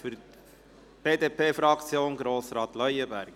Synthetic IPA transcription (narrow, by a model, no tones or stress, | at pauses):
fʏɾ | b̥eːdeːpeːfɾɑkt͡sjoːnɡɾoːsɾɑːt̪lœʏəbæɾɡ